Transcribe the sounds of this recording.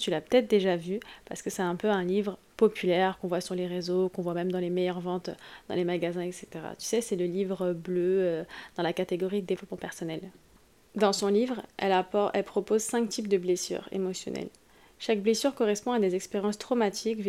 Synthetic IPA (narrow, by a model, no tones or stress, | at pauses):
t̪ylapə̥t̪ɛt̪d̪eʒavypaʁsə̥kəsɛt̪ɛ̃pøɛ̃livʁə | pɔpʰylɛʁkɔ̃vwasyʁleʁezokɔ̃vwamɛmd̪ɑ̃lemɛjœʁvɑ̃t̪d̪̥ɑ̰̃lemaɡazɛ̃ɛkse̥t̪eʁa̰t̪y̥sɛsɛləlivʁøbløød̪̥ɑ̃lakat̪eɡɔʁid̪əd̪evlɔpmɑ̃pɛʁsɔnɛl | d̪ɑ̃sɔ̃livʁɛ̰lapɔɛlpχɔpozsɛ̃kt̪ʰip̚d̪əblesy̰ʁḛmɔsjɔ̰nɛ̰l | ʃak̚blesyʁkɔʁɛspɔ̃ad̪ezɛkspeʁjɑ̃st̪χɔmat̪ʰikv